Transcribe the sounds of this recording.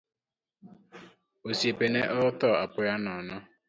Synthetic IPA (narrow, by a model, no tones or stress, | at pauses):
osiepeneʔɔtɔapʊjanɔnɔ